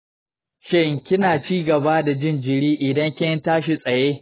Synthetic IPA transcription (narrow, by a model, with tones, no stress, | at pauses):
ʃɪ˦ŋkʲɪ˦naː˨t͡ʃiː˦ɡɐ˨ba˦da˨d͡ʒɪ˦nd͡ʒɪ˨ɽiː˦ʔɪ˨dɐ˦ŋkʲɪ˦ɐ˦ntaː˦ʃi˨sʼɐ˨jeː˦